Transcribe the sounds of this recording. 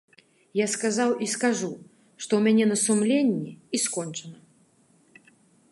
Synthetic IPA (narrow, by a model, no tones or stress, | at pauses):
jaskazawiskaʐu | ʂt̪ɔwmʲanʲɛnɐsumlʲenʲːiiskɔnt͡ʂɐnɐ